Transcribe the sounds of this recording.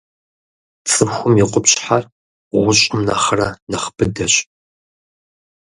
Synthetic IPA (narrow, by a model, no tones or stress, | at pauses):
t͡sʼɨħʷʊmiqʷʊpɕħar | ʁʷʊɕʼɪmna̰χɐrɐnɐχbɨdɐɕʼ